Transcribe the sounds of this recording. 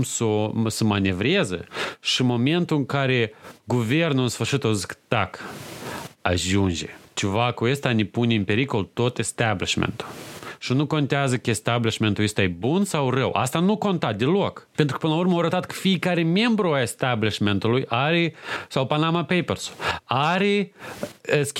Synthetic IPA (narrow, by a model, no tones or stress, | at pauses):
msosəmanʲe̞vɾezə̰ʃimo̞me̞nt̪uɨŋkaɾe̞ɡuve̞rnulɨnsfɨrʃit̪ozikd̪̥ak | aʒund͡ʒḛt͡ʃevakuest̪anepunʲeɨnpe̞ɾiko̞lt̪ot̪est̪abliʃmḛnt̪u̥ʃinuko̞nt̪eazəkəest̪abliʃme̞nt̪uest̪ajebunsawrəwʔa̰st̪anuko̞nt̪at̪̚d̪elo̞kpent̪ɾukəpɨnəlaurməawɾət̪at̪kə̥fiekaɾeme̞mbɾuaest̪abliʃment̪ulujʔaɾesawpanamapejpersu̥aɾe | sʲ